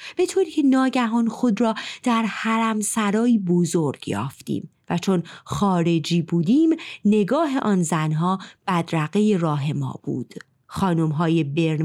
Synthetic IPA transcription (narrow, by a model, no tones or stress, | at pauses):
b̥e̞t̪ʰoːɾiːcʰe̞nɒːɟæɦɒːnxod̪ɾɒːd̪̥æɾhæɾæmsæɾɒːiːbozoɾɡ̥jɒ̰ːft̪ḭːmvæt͡ʃʰonxɒːɾe̞d͡ʒiːbuːd̪iːmne̞ɡɒːɦe̞ʔɒːnzænɦɒːb̥æd̪ɾæɣeje̞rɒːɦe̞mɒ̰ːb̥ṵːd̪̥ | xɒːnomɦɒːje̞beɾ